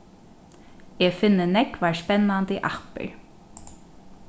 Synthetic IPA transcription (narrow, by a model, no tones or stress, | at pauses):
ɛːfɪnːənɛkʋaːɹspɛnːant̪iʔahpə̰ɹ